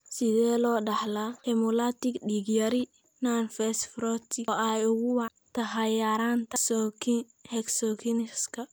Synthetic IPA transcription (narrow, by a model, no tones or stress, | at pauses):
sɪðɛːlɔːɖɐħlahɛmɔlat̪ɪɡɖiɡjɐɾɪ | nanfɛsfɾɔt̪ʰɪɛjʊɣʊwɑ | t̪ʰɐɦɐjaːɾaːnt̪ʰɐ | hɛksɔkʰinɪskʰɐ